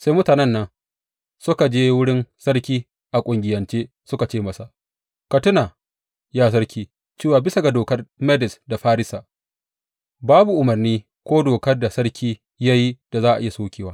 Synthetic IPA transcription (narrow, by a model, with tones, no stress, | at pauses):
seː˦mʊ˦taː˨nɛ˦nːɐ˦ŋ | sʊ˦ka˨d͡ʒeː˦wʊ˦ɽɪ˦nsɐ˦ɽkʲiː˦ | ʔa˨kʷʼʊ˨ŋɡʲɪ˨jɐ˨nt͡ʃeː˦ | sʊ˦ka˨t͡ʃeː˦mɐ˨sa˨ʔ | kɐ˨tʊ˦na˨ | jaː˦s̬ɐ˦rkʲiː˦ | t͡ʃeː˦waː˨bɪ˦sa˨ɡa˨doː˨kɐ˦rmɛ˦dɪ˨sda˨ɸaː˦ɾɪ˦saː˨ | baː˦bu˨ʔʊ˨mɐ˨rniː˦ | kʷoː˦doː˨kɐ˦rda˨sɐ˦ɽkʲʰiː˦ | ja˦ji˦d̥a˨zaː˦ʔa̰˨ʔɪ˦ja˨soː˦kʲeː˨waː˦